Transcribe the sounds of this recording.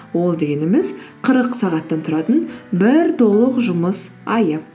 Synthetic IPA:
wo̞lˠd̪eɡʲe̞nemɪzqʰəɾəqsɑʁɑt̪ːɑnt̪ʰʊɾɑt̪ənbɪɾt̪ʰo̞lˠəqʒʊməs | ɑjə

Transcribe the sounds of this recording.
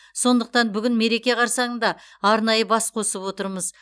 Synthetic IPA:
so̞nd̪əq̚t̪ɑnbʏɡʲɪnme̞ɾe̞kʲe̞qʰɑɾsɑɴəɴd̪ɑ | ɑɾnɑjəbɑsqʰo̞səpwo̞t̪əɾməz

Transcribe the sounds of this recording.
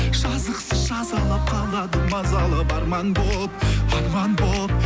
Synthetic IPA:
ʒ̥ɑzəqsəzʒɑzɑlˠɑp̚qʰɑlˠʁɑd̪əmɑzɑlˠɑpɑɾmɑnbolˠəp̚ɑɾmɑnbolˠəp̚

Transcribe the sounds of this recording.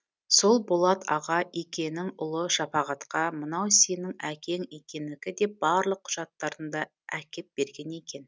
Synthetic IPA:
so̞lˠbolˠɑt̪ʰɑ̰ʁɑʔekʲe̞nɪŋʊlˠəʃɑpɑʁɑt̪qɑmənɑwse̞nɪŋækʲʰe̞ŋe̞kʲe̞nd̪ɪɡʲɪd̪e̞b̥ɑɾlˠəqʰːʊ̥ʒɑt̪ːɑɾənd̪ɑ | ækʲe̞p̪̚b̥e̞ɾɡʲe̞ne̞kʲe̞n

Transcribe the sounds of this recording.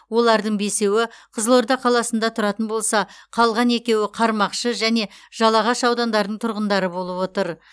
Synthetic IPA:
wo̞lˠɑɾd̪əɴbe̞se̞wɪqʰəzəlˠo̞ɾd̪ɑqʰɑlˠɑsənd̪ɑt̪ʰʊɾɑt̪ənbo̞lˠsɑqʰɑlˠʁɑne̞kʲe̞wɪqʰɑɾmɑqʃəʒæne̞ʒ̥ɑlˠɑʁɑʃɑwd̪ɑnd̪ɑɾd̪əɴt̪ʰʊɾʁənd̪ɑɾəbo̞lˠəpwo̞t̪əɾ

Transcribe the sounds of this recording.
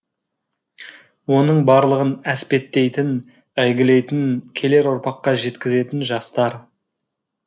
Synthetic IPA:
wo̞nəɴbɑɾlˠəʁənæspe̞t̪ːe̞jt̪ɪn | æjɡʲɪle̞jt̪ɪnkʲʰe̞le̞ɾʊɾpɑqːɑʒe̞t̪kʲɪze̞t̪ɪnʒɑst̪ɑɾ

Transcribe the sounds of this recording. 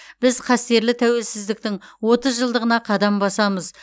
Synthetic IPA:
b̥ɪzqʰɑst̪e̞ɾlɪt̪ʰæwe̞lsɪzd̪ɪk̚t̪ɪŋwo̞t̪əzʒəlˠd̪əʁənɑqʰɑd̪ɑmbɑsɑməz

